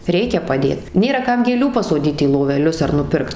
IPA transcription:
ˈrʲɛɪkʲɛ pɐˈdʲeːt ˈnʲeːrɐ ˈkɐm ɡʲeːˈlʲuː pɐsoːˈdʲiːt iː lˠoːʋʲɛˈlʲʊs ɐr nʊˈpʲɪrkt

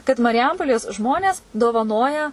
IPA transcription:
kɐt mɐrʲɪˈjɛmpoːlʲeːs ˈʒmoːnʲeːs doːʋɐˈnoːjɛ

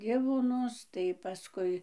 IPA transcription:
ˈdʲɪʋoːnʊs tɐɪ pɐˈskʊɪ

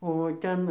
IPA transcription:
oː ˈtʲɛn

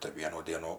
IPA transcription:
tɐɪ ˈʋʲiɛnuː ˈdʲiɛnuː

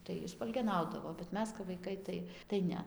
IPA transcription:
tɐɪ ˈjɪ spɐlʲɡʲɛˈnɐʊdɐʋoː bʲɛt ˈmʲɛs kɐp ʋɐɪˈkɐɪ ˈtɐɪ tɐɪ ˈnʲɛ

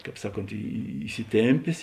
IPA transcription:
ˈkɑːp ˈsɑːˌkoːnt iːsʲɪˈtʲeːmʲpʲeːs

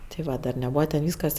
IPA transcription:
tʲɪ ˈʋɐ dɐr nʲɛˈbuːʋɐ tʲɛn ˈʋʲiːskɐs

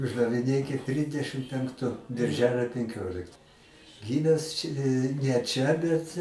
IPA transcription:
ʊʒdɐʋʲɪˈnʲeːkʲɪt ˈtʲrʲɪdʲɛʃʲɪm pʲɛŋkˈtʊ bʲɪrʲˈʒʲæːlʲoː pʲɛŋʲˈkʲoːlʲɪkt ˈɡʲiːmʲæːs t͡ʃʲ nʲɛ ˈt͡ʃʲɛ ˈbʲɛt

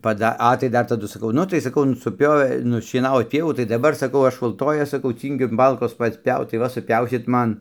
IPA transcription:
pɐˈdɐ ˈɐ tɐɪ ˈdɐr tɐˈdʊ sɐˈkɐʊ ˈnʊ tɐɪ sɐˈkɐʊ nʊ sʊˈpʲoːʋʲeː nʊʃʲiɛˈnɑːʋoːt ˈpʲiɛʋuː tɐɪ dɐˈbɐr sɐkɐʊ ˈɐʃ ʊlˠˈtoːjɛs sɐˈkɐʊ ˈt͡sʲiːŋʲɡʲʊ ˈmɐlˠkoːs ˈpɐts ˈpʲɛʊt tɐɪ ˈʋɐ sʊˈpʲɛʊsʲɪt ˈmɐn

